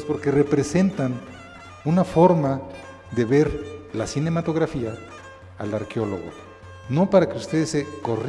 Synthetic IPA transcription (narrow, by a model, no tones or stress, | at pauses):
spo̞ɾke̞re̞pɾe̞se̞nt̪an | unafo̞ɾma | ðe̞βe̞ɾlasine̞mat̪o̞ɣɾafia̰ː | laɾkeo̞lo̞̰ɣo̰ | no̞paɾakeust̪e̞ðeseko̞r